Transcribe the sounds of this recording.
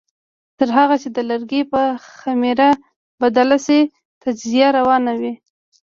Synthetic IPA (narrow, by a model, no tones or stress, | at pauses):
t̪əɾɦaɣat͡ʃed̪əlaɾɡepəxameɾa | bad̪alase | t̪ad͡ʒzijaɾawɑnawi